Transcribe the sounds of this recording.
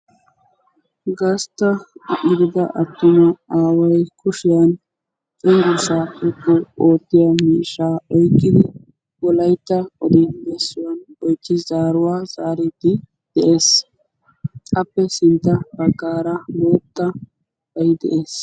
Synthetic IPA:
ɡɐst̪ːɐɡɪd̪ɪd̪ɐʔɐt̪ːʊmɐaːwɐjkʰʊʃɪjɐn | t̪ʼɪŋɡʊɾsaːpːɛkːɔʔoːt̪ːɪjɐmiːʃːaːɔjkːɪd̪ɪ | wɔlɐjt̪ːɐɔd̪ɪb̪ɛsːʊwɐnɔjt͡ʃːɪzaːɾʊwaːzaːɾɪt̪ːɪ | d̪̥ɛʔe̞ːs | ɐpːɛsɪnt̪ːɐbɐɡːaːɾɐmoːt̪ːɐ | bɐjd̪ɛ̰ʔeːs

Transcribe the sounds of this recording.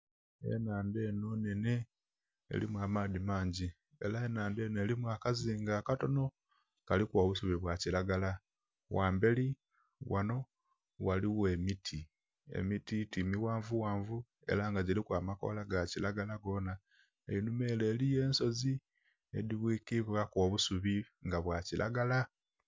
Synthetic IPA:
e̞̰naːnde̞ːnonene | ḛlimwaːmaːðimaːɲɟi | e̞̰laenaːnde̞ne̞ːlimwaːkaziːŋɡaːkato̞no̞ | kalikwoːβusuβiβwacilaɡala | waːmbe̞li | wano̞ | waliwe̞mitʰi | ḛmititimiwaːɱvuwaːɱvu | e̞̰laŋɡaɟilikwaːmako̰laɡacilaɡalaɡo̞na | ḛinume̞ːle̞ːlije̞ːnso̞zi | ḛdiβwiːkiβakoːβusuβiŋɡaβwacilʔa̰ɡala

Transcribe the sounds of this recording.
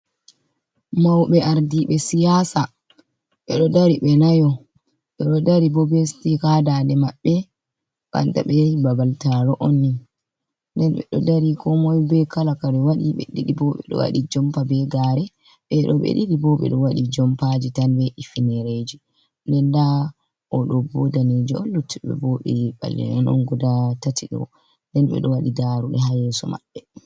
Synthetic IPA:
mawɓɛaɾdiɓɛsijasa | ɓɛɗɔdaɾiɓɛnajɔ | ɓɛɗɔdaɾibɔbestikadandɛmaɓːɛ | ka̰nta̰ɓɛbabaltaɾɔʔonːi | ndɛnɓɛ̰ɗɔ̰daɾikɔmɔjbɛkalakaɾɛwaɗiɓɛ̰ɗiɗibɔɓɛ̰ɗɔ̰wa̰ɗid͡ʒɔmpabɛɡaɾɛ | ɓɛɗɔɓɛ̰ɗiɗibɔɓɛ̰ɗɔwaɗid͡ʒɔmpad͡ʒitanbɛʔifinɛɾed͡ʒi | ndɛnda | ʔɔɗɔbɔdaned͡ʒiɔnlutːiɓɛ̰bɔɓɛɓa̰lːɛ̰nɛnɔ̰nɡɔdatatʰiɗɔ̰ | ndɛnɓɛ̰ɗɔwaɗidaɾuɗɛɦajɛsɔma̰ɓːɛ

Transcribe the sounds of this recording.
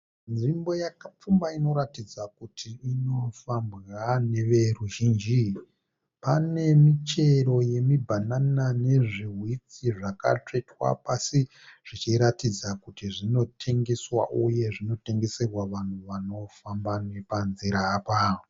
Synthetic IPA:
nʐimbo̞jakap͡fumbaino̞ɾatid͡zakutʰiːno̞fambɣane̞ʋe̞ruʒiːnd͡ʒi | pane̞mit͡ʃe̞ɾo̞je̞mibʱananane̞ʐiɦwit͡siʐaka̰t͡ʂe̞twa̰pasi | ʐ̥it͡ʃiɾatid͡zakutiʐino̞tʰe̞ŋɡe̞swa̰ʔuje̞ʐino̞te̞ŋɡe̞serwaʋan̤uʋano̞fambane̞panziɾaːpa

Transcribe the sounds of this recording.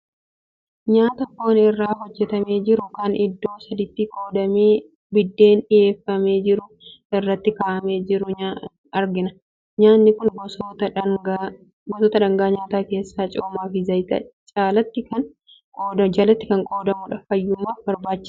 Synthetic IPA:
ɲaːt̪ɐkːoːnɪrːaːɦɔd͡ʒːɛt̪ɐme̞ːd͡ʒɪɾʊkɐnɪd̪ːo̞ːsɐd̪ɪt̪ːiːkʼoːd̪ɐmeː | bɪd̪ːe̞ːnᶑɪje̞ːfːɐme̞ːd͡ʒɪɾʊ | ɪrːɐt̪ːɪkaːʔɐme̞ːd͡ʒɪɾʊɲa | ɐɾɡɪnɐ | ɲaːnːɪkʊnbst̪ɐɡ | bɔsɔt̪ɐᶑɐŋɡaːɲaːt̪aːke̞ːsːaːt͡ʃʼoːmaːfɪzɐjt̪ɐ̰t͡ʃʼaːlɐt̪ːɪkɐn | kʼoːɐd͡ʒaːlɐt̪ːɪkɐŋkʼo̞ːd̪ɐmʊᶑɐfɐjːʊmːaːfbɐɾbaːt͡ʃːɪ̥s

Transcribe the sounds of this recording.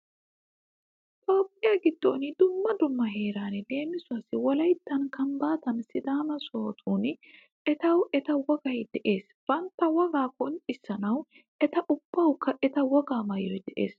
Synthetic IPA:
t̪ʼo̞ːpʼːɪjaɡɪd̪ːo̰ːnɪd̪ʊmːɐd̪ʊmːɐɦe̞ːɾaːnle̞ːmːɪsʊasːɪwɔlɐjt̪ːɐnkɐmbaːt̪ɐnsɪd̪aːmɐso̞ːt̪ʰuːn | ʔɛt̪ɐwɛt̪ɐwɔɡɐjd̪ɛʔe̞ːs | b̥ɐnt̪ːɐwɔɡaːkɔntʼɪsːɐnɐw | ʔɛt̪ɐʔʊb̥ːɐwkːɐʔɛt̪ɐwɔɡaːmɐjɔjd̪ɛʔe̞̰ːs

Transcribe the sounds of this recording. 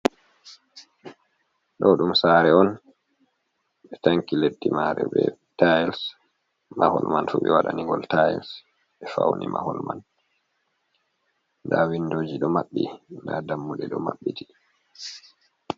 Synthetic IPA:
ɗɔɗumsaːɾɛɔn | ɓɛtaŋkiledːimaɾɛbɛ̰ | tajls | mahɔlmanfuɓɛwaɗaniŋɡɔltajls | ɓɛfawnimahɔlman | dawindoːd͡ʒiɗɔmaɓːindadamːuɗɛɗɔmaɓːiti

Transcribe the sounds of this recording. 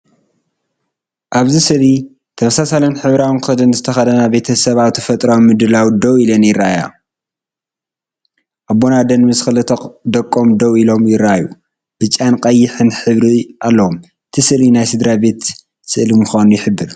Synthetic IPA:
ʔaβzisɨli | t̪ʰɐmɐsasalɐnħɨβɾawnkɨxɐd̪ɨnzɨt̪ʰɐxɐd̪ɐnabe̞t̪ʰɐsɐβaβt̪ʰɐfɐt̪ʼɾawimɨd̪ɨlawd̪owilɐnjɪrːaaja̰ | ʔabːo̞nad̪ɐnmɨsxɨlɨt̪ʰd̪ɐkʼːomd̪ɐwilo̞mjɪɾːaʔaju | b̥ɨt͡ʃʼːanqʼɐjːɪħɨnħɨβɾiʔalːɐwom | ʔɨt̪ʰisɨlinajsɨd̪ɾabe̞t̪ | sɨʔlimuxanujɪħɨbːɨɾ

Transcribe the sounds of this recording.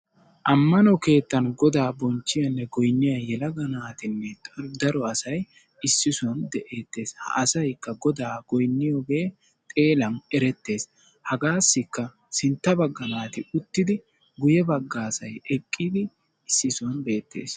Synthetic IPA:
ʔɐmːɐnɔke̞ːt̪ːɐnɡɔd̪aːbɔnt͡ʃːɪjɐnːɛɡɔjnːɪjɐjɛlɐɡɐnaːt̪ɪnːɛd̪ɐɾɔɐsɐj | ɪsːɪsɔnd̪ɛʔeːt̪ːe̞ːshɐ̰ʔsɐjkːɐɡɔd̪aːɡ̥ɔjnːɪjɔɡe̞ː | t̪ʼe̞ːlɐnɛɾɛt̪ːe̞ːs | hɐɡaːsːɪkːɐ | sɪnt̪ːɐbɐɡːɐnaːt̪ɪʊt̪ːɪd̪ɪ | ɡʊjɛbɐɡːaːsɐjɛkʼːid̪ɪ | ɪsːɪsɔnbe̞ːt̪ːe̞̰ːs

